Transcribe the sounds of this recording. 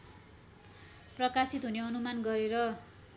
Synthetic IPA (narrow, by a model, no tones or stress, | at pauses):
prʌkasit̪ɦuneʌnumanɡʌɾeɾʌ